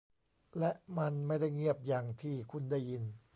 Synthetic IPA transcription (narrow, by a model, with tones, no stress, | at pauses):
lɛ˦˥ʔma˧nma˥˩jda˥˩jŋi˥˩əp̚jaː˨˩ŋt̪ʰiː˧˩kʰu˧nda˥˩jːi˧n